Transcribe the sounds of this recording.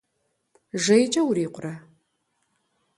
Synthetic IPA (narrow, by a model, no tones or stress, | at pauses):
ʒejt͡ʃʼɐwɾiːqʷʊrɐ